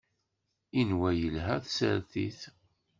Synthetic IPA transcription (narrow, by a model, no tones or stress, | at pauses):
inwæjəlɦæθsəɾθḭθ